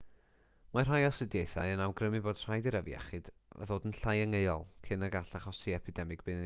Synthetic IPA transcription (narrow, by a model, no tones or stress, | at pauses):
mar̥ajɔsɨdjejθa̰jənawɡrəmɨboːd̥r̥ajdiɾəvḭɛ̰χɨd̥̰ðoːdənɬajəŋeɨɔlˠkʰɪnaɡaɬaχɔsiɛpʰɪdɛmɨɡ̚b̥ɨn